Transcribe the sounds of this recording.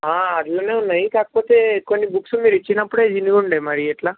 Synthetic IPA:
ɦãəd̪loneũnəɦĩkak̚pot̪ekonːibuksumiɾit͡ʃinapuɽad͡ʒiniɡuɳɖemaɾieʈla

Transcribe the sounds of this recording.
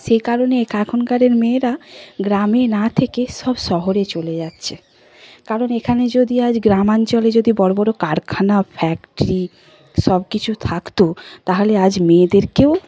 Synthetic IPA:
ʃekaɾonekʰakʰonkaɾeɾmeːɾaɡɾamenat̪ʰekeʃɔbʃɔɦoɾet͡ɕoled͡ʑatːɕʰe | kaɾonekʰaned͡ʑod̪iad͡ʑɡɾamant͡ɕoled͡ʑod̪ibɔɾobɔɾokaɾkʰanafʰɛkʈɾi | ʃɔbkit͡ɕʰut̪ʰakt̪ot̪aɦolead͡ʑmed̪eɾkew

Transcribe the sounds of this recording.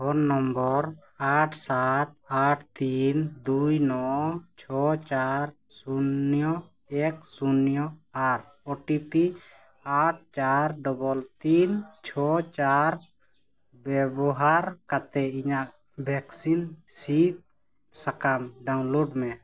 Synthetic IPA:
ɦɔnːɔmbɔɾ | aʈʰsat̪̚aʈʰt̪ind̪ujnɔt͡ʃʰɔt͡ʃaɾ | sunjɔ | ɛksunjɔaɾ | ɔʈipi | aʈ̚ʰt͡ʃaɾɖɔbɔlt̪int͡ʃʰɔt͡ʃaɾ | bɛbɔɦaɾkat̪ɛiɲaʔ | bʱɛksinsit̪̚ | sakamɖaw̃loɖmɛ

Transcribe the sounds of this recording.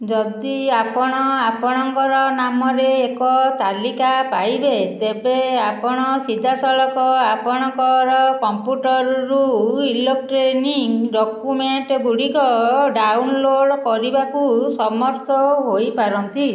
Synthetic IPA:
d͡ʒɔd̪iapɔɽ̃ɔapɔɽ̃ɔŋkɔɾɔnamɔɾeːkɔt̪alikapajbet̪ebeapɔɽ̃ɔsid̪ʱasɔɭɔkɔapɔɽ̃ɔŋkɔɾɔkɔmpjuʈɔɾɾuilok̚ʈɾeniŋɖɔkumeɳʈɡuɽikɔɖawnloɽkɔɾibakusɔmɔɾt̪ʰɔɦojpaɾɔnt̪i

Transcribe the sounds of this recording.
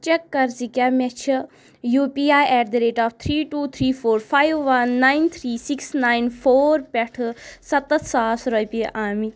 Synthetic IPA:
t͡ʃɛkːɐɾsikʲamɛt͡ʃʰi | juːpiaːjʔɛːʈd̪iɾeːʈaːft̪ʰɾiːʈuːt̪ʰɾiːfʰoːɾpʰajʋːɐnːajnt̪ʰɾiːsiksnajnpʰoːɾpɛʈʰɨsɐt̪ɐt̪ʰsaːsɾɔjpiʔaːmi

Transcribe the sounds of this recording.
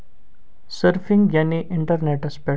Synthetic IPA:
sɐɾfĩŋɡjɐniʔɪɳʈəɾneʈespe

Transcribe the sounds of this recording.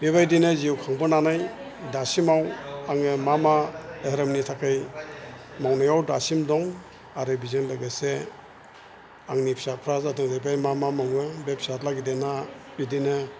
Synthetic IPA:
bebajdinɯziwkʰaŋbɯnanaj | dasimawaŋɯmamadɦɾɯmnitʰakʰaj | mawnɔjawdasimdɔŋ | aɾɯbizɯŋlɯɡase | aŋnipʰi̥sapʰɾazatɯŋzajbajmamamɔŋɯbepʰsatlaɡidena | bidinɯ

